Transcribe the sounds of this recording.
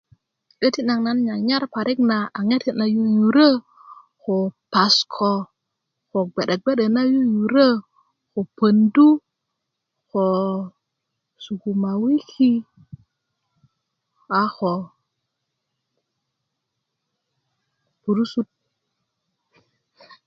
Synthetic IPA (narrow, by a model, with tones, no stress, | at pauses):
ɗe˦ti˦na˨ŋna˦nɲa˨ɲa˦ɾpa˨ɾi˦kna˨a˨ŋe˦ti˦na˨ju˦ju˨ɾə˦ | xo˨pa˨skʰo˨ | xo˨ɡ͡be˨ɗe˨k̚ɡ͡be˦ɗe˨na˦ju˦ju˨ɾə˦ | xo˨pə˨ndu˦ | xo˨ | su˨ku˨ma˨wi˦ki˦ | a˨xo˨ | pu˨ɾu˦su˦t̚